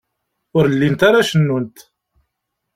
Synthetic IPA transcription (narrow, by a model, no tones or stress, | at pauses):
ʊɾlːint̪aɾaʃənːunt̪